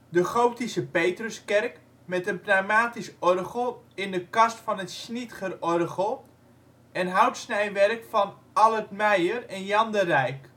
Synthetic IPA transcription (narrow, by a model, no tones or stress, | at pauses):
dəχowtisəpejtrəskɛrk | mɛtənpramaːtisɔrɣəlˠɪndəkɑstfɔnətsnitχərɔrɣəlˠ | ɛnɦawtsnɛjʋɛrkfɔn | alˠətmɛjərɛnjɑndərɛjk